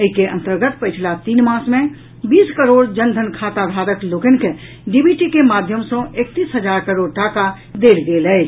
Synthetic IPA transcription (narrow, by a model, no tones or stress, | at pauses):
əikeʔə̃nt̪əɾɡət̪pət͡ʃʰlat̪iːnmãːsmẽ | biːskəɾoːɽd͡ʒənd̪ʱənkʰaːt̪aɡʱaːɾəkloːkənke | ɖibiʈikemaːd̪ʱjəmsõʔek̚t̪iːsɦəd͡ʒaːɾkəɾoːɽʈaːka | d̪eːlɡeːlɛ